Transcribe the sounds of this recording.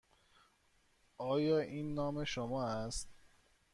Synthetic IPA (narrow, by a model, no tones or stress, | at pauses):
ɒːjɒːʔiːnːɒːmeʃomɒːæst̪